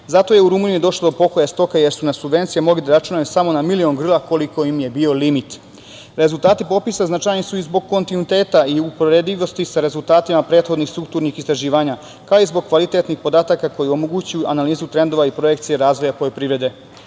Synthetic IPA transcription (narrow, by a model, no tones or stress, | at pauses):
zat̪o̞je̞uɾumuniid̪o̞ʃlod̪o̞po̞kojast̪o̞kaje̞ɾsunasubʋe̞nt̪sijemo̞ɡlid̪aɾat͡ʃunajusamo̞namilio̞ŋɡr̩lˠako̞liko̞imje̞bio̞limit̪ | ɾe̞zulˠt̪aːt̪ipo̞pisaznat͡ʃajnisuizbo̞ɡ̚ko̞nt̪inuit̪e̞ːt̪aiupoɾed̪liʋo̞st̪isaɾe̞zulˠt̪aːt̪imapɾeːt̪xo̞d̪nixst̪ɾuk̚t̪uːɾnixist̪ɾaʒiːʋaːɲa | kaoizbo̞ɡ̚kːʋalit̪e̞t̪nixpo̞d̪aːt̪akako̞jio̞moɡuːt͡ɕujuʔanaliːzut̪ɾe̞nd̪o̞ʋaipɾo̞je̞kt̪sijeɾaːzʋo̞japo̞jopɾiʋɾe̞d̪e̞